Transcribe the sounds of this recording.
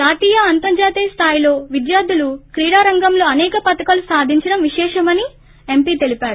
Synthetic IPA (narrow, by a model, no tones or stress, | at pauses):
d͡ʒaːt̪iːjɐɐnt̪ɐnd͡ʒaːt̪iːst̪ʰaːjilo̞ːʋid̪jaːɾd̪ʱulukɾiːɽaːɾɐŋɡɐmlo̞ːɐnɛːkɐpɐt̪ɐkɐlusaːd̪ʱiɲt͡ʃɐɽɐmʋiʃɛːʂɐmɐni | e̞mpiːt̪e̞lipaːɽuu